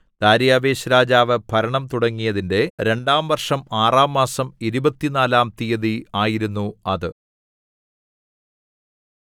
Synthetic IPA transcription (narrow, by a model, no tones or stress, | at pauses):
d̪̥aːɾjaːbe̞ːɕɐɾaːd͡ʑaːʋɨpʰɐɾɐɳɐmt̪uɽɐŋːijɐðinde̞ɾe̞ɳɖaːmʋɐrʂɐmaːraːmːaːsɐmiɾubɐt̪ːinaːlaːmt̪ijɐðiaːjiɾunːuɐðɨ